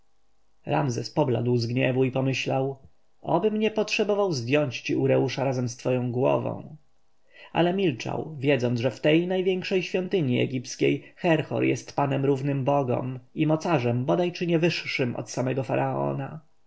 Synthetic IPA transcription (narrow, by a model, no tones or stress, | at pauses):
ɾamzɛspɔbla̰d̪wzɡɲɛvuipɔmɘɕlaw | ɔbɘmɲɛpɔtʂɛbɔvawzd̪ʲjɔɲt͡ɕt͡ɕiuɾɛuʂaɾazɛmst̪fɔjɔ̃w̃ɡwɔ̰vɔ̰̃w̃ | ʔa̰lɛmʲilt͡ʂa̰wvʲjɛd̪zɔnʐɛft̪ɛjnajvʲjɛŋkʂɛjɕfʲjɔnt̪ɘɲiɛ̰ɡʲip̚tskʲḛjxɛɾxɔ̰ɾjɛ̰st̪panɛmɾuvnɘmbɔɡɔ̰mimɔt̪saʐɛmbɔd̪ajt͡ʂɘɲɛvɘʂːɘmʔɔ̰t̪samɛɡɔfaɾʔaɔ̰na